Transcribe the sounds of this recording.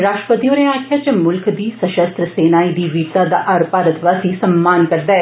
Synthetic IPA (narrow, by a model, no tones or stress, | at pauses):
ɾaːʃʈɾə̥pət̪iːõnẽaːkʰjaːt͡ʃəmʊlkd̪iːsəʃəst̪ɾəseːnaːid̪iːʋiːɾt̪ad̪a̰ːʔaɾpaːɾət̪ʰʋaːsiːsəmːaːnkəɾd̪aɛ